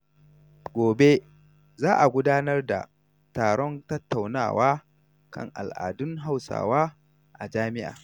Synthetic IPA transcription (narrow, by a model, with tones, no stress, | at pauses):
ɡʷoː˨be˦ | zaː˦ʔa˨ɡʷʊ˦daː˦nɐ˦rda̰˨ | taː˨ɽɔ˦ntɐ˦tːa˨wna̰ː˨wʔaː˦ | kɐ̰˦˨ŋʔa̰˨lʔa̰ː˨dʊ˦ŋɦa˦˨wsa̰ː˨waː˦ | ʔa˨d͡ʒaː˦mɪ˦ʔa̰ː˨